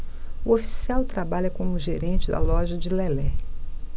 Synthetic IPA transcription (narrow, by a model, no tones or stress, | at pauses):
uofi̥siawt̪ɾabaʎɐkõmʊʒeɾẽnt͡ʃɪd̪ɐ̰lɔʒɐd͡ʒɪlɛlɛ